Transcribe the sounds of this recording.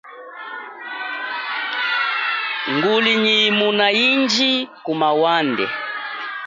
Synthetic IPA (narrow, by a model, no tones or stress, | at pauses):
ŋɡuliɲimunaiɲd͡ʒikumawandɛ̰